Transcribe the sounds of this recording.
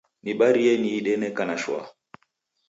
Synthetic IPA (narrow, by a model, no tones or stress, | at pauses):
niɓaɾijɛniːɗɛnɛkanaʃwa̰